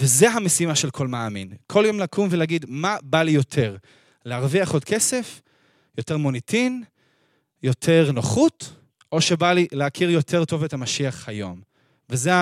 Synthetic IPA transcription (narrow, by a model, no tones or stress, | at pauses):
veze̞ɦamesimaʃelkʰo̞lmaːmḭnkʰo̞ljo̞mlakʰumveleaɡid̪mabalijo̞tʰe̞ʁ | leaʁviaχod̚kʰe̞se̞f | jo̞te̞ʁmo̞nitʰin | jo̞tʰeʁnoχut | ʔo̞ʃebalileakʰiʁjo̞tʰe̞ʁto̞vetamaʃiaχhajo̞m | vezea